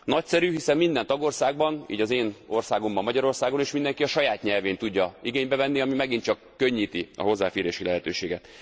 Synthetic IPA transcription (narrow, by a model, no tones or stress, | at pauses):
nɒcsɛɾyɦisɛmmind̪ɛnt̪ɒɡo̞rsaːɡ̚bɒnḭːɟɒzeːno̞rsaːɡo̞mbɒmːɒɟɒɾo̞rsaːɡo̞neːʃmind̪ɛŋkiɒʃɒjaːt̪ɲɛlveːnt̪uɟːɒiɡeːɲbɛvɛnːiɒmimɛɡint͡ʃɒkːø̞ɲːiːt̪iɒ̰ɦo̞zːaːfeːɾeːʃilɛɦɛt̪øːʃeːɡɛt̪